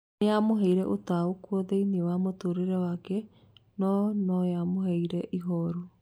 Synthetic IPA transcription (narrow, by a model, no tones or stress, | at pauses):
ejamoɦɛiɾɛʔotaokuɔðeiniewamotoɾeɾɛwakɛ | nɔnɔjamoɦɛiɾɛʔiɦɔɾu